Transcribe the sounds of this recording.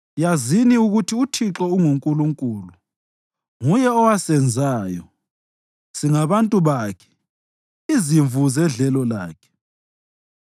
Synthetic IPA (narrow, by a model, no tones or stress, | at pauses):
jaziniuɣutʰiutʰiǁɔuŋuŋkʼuluŋkʼuːlu | ŋujɛɔwasɛnd͡zʱaːjɔ | siŋaβantʼuβaːkʰɛ̥ | iziɱvʱuzɛɮɛlɔla̰ːkʰɛ̥